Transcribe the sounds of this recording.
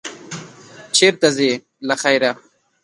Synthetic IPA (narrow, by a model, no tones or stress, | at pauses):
t͡ʃʰeːɾt̪aze | laxajɾa